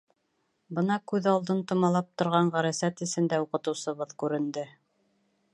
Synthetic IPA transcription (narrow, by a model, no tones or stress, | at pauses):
bɤnɑkʉðɑlˠd̪ɤnt̪ŏmɑlˠɑp̚t̪ŏɾʁɑɴʁæɾæsæt̪ɘ̆sɘ̆nd̪æuqɤ̆t̪ɤ̆wsɤ̆βɤðkʉɾɘ̆nd̪ɘ